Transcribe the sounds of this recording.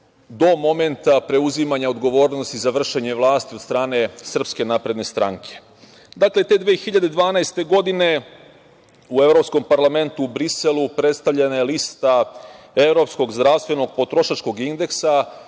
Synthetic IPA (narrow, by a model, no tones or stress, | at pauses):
d̪o̞mo̞me̞nt̪apɾe̞uzimaɲao̞d̪ɡo̞ʋo̞ːɾnost̪izaʋr̩ʃe̞ɲe̞ʋlˠaːst̪iod̪st̪ɾaːne̞sr̩pske̞naːpɾe̞d̪ne̞st̪ɾa̰ŋkʰe̞̥ | d̪akle̞t̪e̞d̪ʋeːexiʎad̪ed̪ʋaːnaest̪e̞ɡo̞d̪ine̞ | uevɾo̞psko̞mpaɾlˠame̞nt̪uːbɾiselupɾe̞t̪st̪avʎenajelist̪a | e̞vɾo̞psko̞ɡzd̪ɾaʋst̪ʋe̞no̞ɡ̚po̞t̪ɾo̞ʃat͡ʃko̞ɡind̪e̞ksa